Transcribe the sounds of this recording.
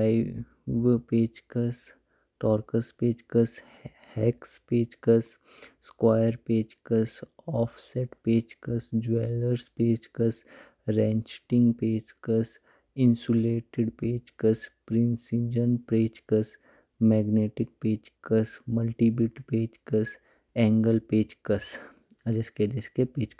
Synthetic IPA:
aɪ | ʋpeːd͡ʒkəs | ʈɔːɾkəspeːd͡ʒkəs | hɛːkspeːd͡ʒkəs | skwaːjəɾpeːd͡ʒkəsɔːfsɛːʈpeːd͡ʒkəsd͡ʒueːləɾspeːd͡ʒkəs | ɾɛ̃ːnt͡ʃʈɪ̃ŋɡpeːd͡ʒkəs | ɪ̃nsuleːʈeɖpeːd͡ʒkəspɾɪ̃nsɪ̃nd͡ʒənpɾeːd͡ʒkəs | mɛːɡneːʈɪk̚peːd͡ʒkəsmɐlʈibɪʈpeːd͡ʒkəs | ɛ̃ːŋɡəlpeːd͡ʒkəs | d͡ʒesked͡ʒeskepeːd͡ʒ

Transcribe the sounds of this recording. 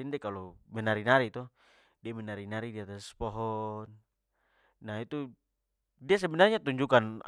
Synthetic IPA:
indɛkalɔmɛnaɾinaɾit̪ɔ | diamɛnaɾinaɾidiat̪aspɔɦɔnː | ait̪u | dias̬ɛbɛnarɲat̪uɲd͡ʒukan

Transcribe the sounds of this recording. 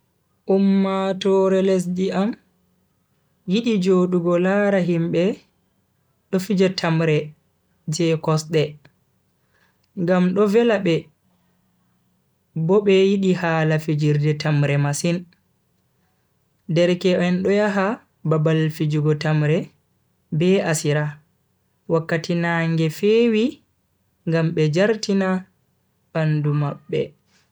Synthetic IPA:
ʔumːatɔɾɛlɛs̬diam | jiɗid͡ʒoɗuɡɔlaɾaɦimbɛ | ɗɔfid͡ʒɛtʰamɾɛ | d͡ʒɛkɔsɗɛ | ŋɡamɗɔvɛlaɓɛ | bɔɓɛjiɗihaːlafid͡ʒiɾdɛtamɾɛmasin | dɛɾkɛʔɛnɗɔjaɦa | babalfid͡ʒuɡɔtamɾɛ | bɛasiɾa | wakːatinaŋɡɛfeːwi | ŋɡamɓɛd͡ʒaɾtina | ɓandumaɓːɛ̰

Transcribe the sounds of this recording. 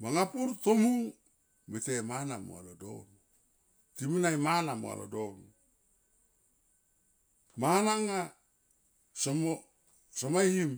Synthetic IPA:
maŋapuɾtomu | metemanamo̰a̰lodo̰n | timinajmanamo̰a̰lo̰don | manaŋa | somo | somajhim

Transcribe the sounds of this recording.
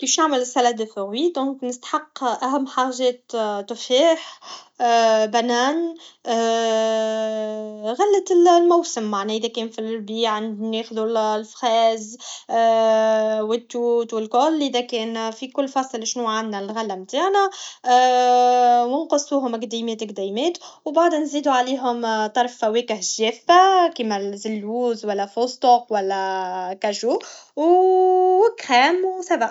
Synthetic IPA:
kiːfnaʕməlɪsælæd̪əθʊɣwid̪ɔ̃ːknɪst̪ḁħɑqːʔæɦæmːħaːʒɛːt̪t̪ːʊfiːħ | bænæːn | ɣælːət̪ɪllmawsəmːaʕnæʔɪðækɛːnfilbiːʕand̪neːxðullfxɑːz | wɪt̪ːuːt̪wɪlkʊlːʔɪðækɛːnfikʊlːfɑsˤlɪʃnuʕanːælɣalːæmt̪aːʕnæ | wənqʊsˤːuːɦʊmɪkd̪imeːt̪ɪkd̪æjmeːt̪wbaʕd̪ænziːd̪uʕaliːɦʊmt̪ˤɑɾˤfːæweːkɪhʒeːfːakiːmæzɪlwuːzwælːæfost̪oqwælːækæʒuːw | ɪkxæːmwsæbaʔ

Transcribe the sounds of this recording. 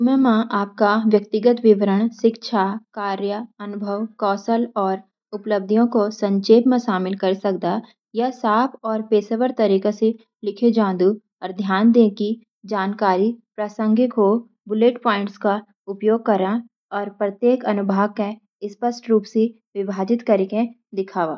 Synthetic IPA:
mjəmãʔaːp̚kaʋjəkt̪ɪɡət̪ʋɪʋəɾəɽ̃ʃɪkʃʰakaːɾjəɐnʊbʱəʋkɔːsəlɔːɾ | ʊpləb̚d̪ʱijõkosɐ̃ɲt͡ʃeːpmẽʃaːmɪlkɐɾsɐk̚d̪a | jasaːpʰɔːɾpeːsəʋəɾt̪ɐɾiːkese | lɪkʰed͡ʒãːd̪u | ɔːɾd̪ʱjaːnd̪ẽːki | d͡ʒaːnkaːɾipɾɐsə̃ŋɡɪko | bʊleːʈpɔːɪ̃ɳʈska | ʊpjoːɡ̚kɐɾa | ɔːɾpɾət̪jeːkɐnʊbʱaːʋke | ɪspəsʈɾuːpse | ʋɪbʱaːd͡ʒɪt̪kɐɾekẽ | d̪ɪkʰaːʋaː

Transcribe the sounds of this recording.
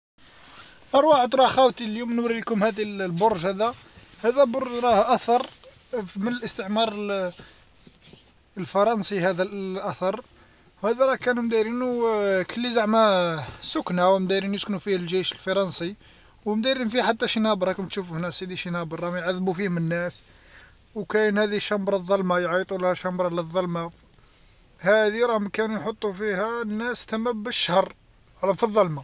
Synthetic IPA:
ʔɑɾˤwɑʕəd̪ɾˤɑxæwt̪iljumnwɾilkʊmhæd̪illbʊɾˤʒhæd̪æ | hæd̪æboɾʒɾˤɑhʔæθɑɾˤ | mənəlʔəst̪əʕmɑɾˤəl | əlfɑɾˤɑnsihæd̪æʔæθɑɾˤ | whæd̪æɾˤɑkænumd̪æɾinukəlːizaʕmæsʊkːnæwmd̪æɾinjəsknufihlʒæʃəlfɑɾˤɑnsi | wmd̪æɾinfiħat̪ːæʃinæbɾˤɑkəmt̪ʃufuhnːæshæd̪iʃinæbɾˤɑmjʕaðːbufihmənːæs | wkænhæd̪iʃɑmbɾˤɑðˤːɑlmajʕit̪ˤulhæʃɑmbɾˤɑləðˤːɑlma | hæd̪iɾˤɑhmkænujħot̪ˤːufihænːæst̪æmːæbːəʃːəhərˤ | lfiðˤːɑlma

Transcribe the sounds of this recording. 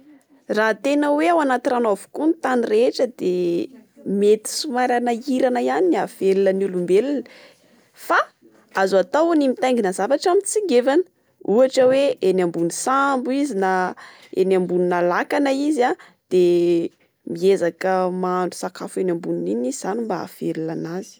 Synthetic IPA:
rat̪enəweawanat̪iranovu̥kunt̪anireʈ͡ʂəd̪e | met̪i̥sumaɾanəiɾanəjaniniav̥elunənulumbelunə̥ | fa | azat̪awnimit̪ajŋɡinəzavaʈ͡ʂamit͡siɡevanə̥ | uaʈ͡ʂəweʔenambunisambuizina | ḛnambuninalakanəiza | d̪̥e | miezakəmaɳɖ͡ʐu̥sakafenʲambunininizizanimbaa̰felulanazi̥

